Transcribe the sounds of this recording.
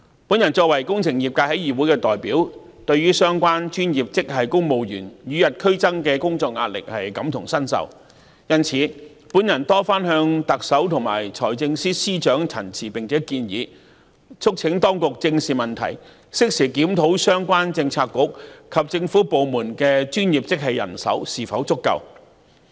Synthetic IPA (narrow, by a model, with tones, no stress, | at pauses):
pu˨˥njɐ˨˩nt͡sɔː˧k̚wɐ˨˩jkʊ˥ŋt͡sʰɪ˨˩ŋji˨p̚kaː˧jhɐ˨˥jiː˨˩wuː˨˥jkɛː˧t̪ɔː˨˩jpiː˨˥wt̪ɵ˧ɥyː˥sœː˥ŋkʷaː˥nt͡ʃyː˥nji˨˩p̚t͡sɪ˥k̚hɐ˨˩jkʊ˥ŋmo˨wjy̰ː˨˩njyː˨jɐ˨t̚kʰɵ˥ɥt͡sɐ˥ŋkɛː˧kʊ˥ŋt͡sɔː˧k̚ŋaː˧t̚lɪ̰˨k̚hɐ˨jkɐ˨˧˥mt̪ʰʊ˨˩ŋsɐ˥nsɐ̰˨˩w | jɐ˧nt͡sʰiː˨˥ | puː˨˥njɐ˨˩nt̪ɔː˥faː˥nɦœː˧ŋt̪ɐ˨k̚sɐ˨˥wt̪ʰʊ˨˩ŋma̰ː˨˩jt͡ʃʰɔː˨˩jt͡sɪ˧ŋsiː˥siː˥t͡ʃœː˨˥ŋt͡sʰɐ̰˨˩nt͡sʰiː˨˩pɪ˨ŋt͡sʰɛː˨˥kiː˧njḭː˨˥ | t͡sʰʊ˥k̚t͡sʰɪ˨˥ŋt̪ɔː˥ŋkʊ˨k̚t͡sɪ˧ŋsiː˨mɐ˨nt̪ʰɐ̰˨˩j | sɪ˥k̚siː˨˩kiː˨˥mt̪ʰo˨˥wsœː˥ŋkʷwaː˥nt͡sɪ˧ŋt͡sʰaː˧tkːʊ˨˥k̚kʰɐ˨p̚t͡sɪ˧ŋfuː˨˥po˨wmuː˨˩nkɛː˧t͡ʃyː˥njiː˨p̚t͡sɪ˥k̚hɐ˨jɐ̰˨˩nsɐ̰˨˥wsiː˨fɐ˨˥wt͡sʊ˥kːɐ̰˨˧w